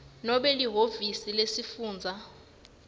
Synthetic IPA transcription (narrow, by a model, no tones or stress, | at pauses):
nɔɓɛliɦovisilesifuːnd͡zʱa